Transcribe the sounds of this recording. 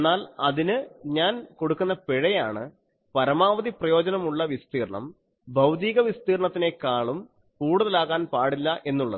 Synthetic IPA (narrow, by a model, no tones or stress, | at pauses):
enːaːlɐðinɨɲaːnko̞ɽukːunːɐpeɻɐjaːɳɨ | pɐɾɐmaːʋɐðiprɐjo̞ːd͡ʑɐnɐmuɭːɐʋist̪iːrɐɳɐ̰m | bʱɐwd̪iːɣɐʋist̪iːrɳɐt̪ːine̞kaːɭum | kuːɽuðɐlaːɣaːnpaːɽilːɐʔe̞nːuɭːɐ̰ðɨ